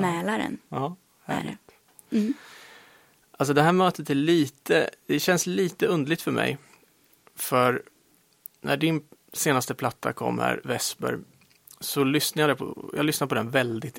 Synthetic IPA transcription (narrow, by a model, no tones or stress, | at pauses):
mɛːlaɾɛ̰nɑː | hæ̰lɪ̰t̪ː | ʔals̬ɔd̪ɛɦæːɾmøːt̪ət̪æɭiːt̪əd̪̥ɛɕɛnsliːt̪əɵnd̪ɭɪɡ̚t̪fœɾmɛ̰j | fœɾ | nʔæ̰ɖɪnseːnast̪əpʰlat̪ʰːa̰kʰɔ̰mːə̰ɾvɛsbœ̰ɾ | sɔlʏsnaɾjad̪ɛpʰɔ̰jɑːɡlʏsnaɾpʰɔd̪ɛnvɛld̪ɪt̪